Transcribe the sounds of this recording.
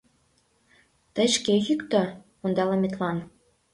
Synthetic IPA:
t̪ə̆jʃkeɣykt̪o | ond̪ɑlɑmʲet̪lɑn

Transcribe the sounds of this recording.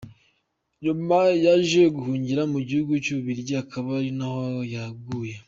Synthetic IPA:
ɲumajaʒijeɡuhuːɲɟiɾamuɟihuɡucuuβiɾɟaakʰaβaɾinahojaɡuːje

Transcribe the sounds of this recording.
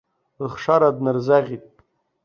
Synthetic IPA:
lχʂaɾadnɨrzaʁʲitʼ

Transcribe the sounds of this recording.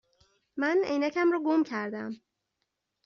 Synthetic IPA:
mænḛjnæcʰæmɾɒːɡomcʰæɾd̪æm

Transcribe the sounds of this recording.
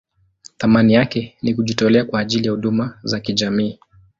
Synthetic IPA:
θamanijakɛnikuʄitɔlɛakwaːʄilijahuɗumazakiʄamiː

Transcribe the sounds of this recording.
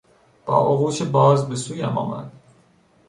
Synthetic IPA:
b̥ɒ̰ːʔoɣuːʃʰebɒːzbesuːjæmɒ̰ːmæ̰d̪̥

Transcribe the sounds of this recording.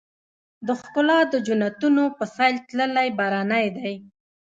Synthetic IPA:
d̪əxkʊlɑd̪əd͡ʒʊnat̪unopəsɑjlt̪ləlajbɑɾɑnajd̪aj

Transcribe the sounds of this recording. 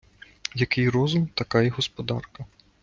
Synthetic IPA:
jɐkɪjrɔzʊmt̪ɐkajɛɦɔspɔd̪ɑ̰rkɐ

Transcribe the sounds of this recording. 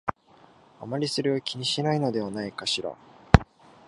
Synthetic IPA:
amaɾʲisɨɾɯ̟okʲiɲ̟iɕinaino̞d̪e̞βanaikaɕiɾa̰

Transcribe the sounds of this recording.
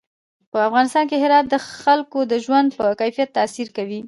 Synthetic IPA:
pəafɣɑnɪst̪ɑnkeɦɪɾɑt̪̚d̪əxalkod̪əʒwand̪̚pəkajfijat̪ːasiɾkawi

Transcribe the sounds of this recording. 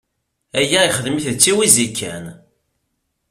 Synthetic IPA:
æjæjχəðmiθt͡sːiwizikʰːæn

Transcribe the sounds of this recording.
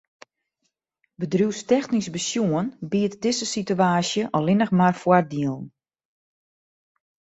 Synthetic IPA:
bədrjuwstɛxnisbəsjuənbiətdɪsəsityaːsjəʔɔlɪnəxmarfwar̚diəlˠn̩

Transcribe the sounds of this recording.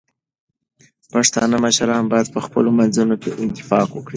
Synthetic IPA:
paʂt̪ɑnəməʃaɾɑnbɑjad̪̚pəxpə̰lomanzunokeʔɪnt̪ɪ̥fɑkwəkɽi

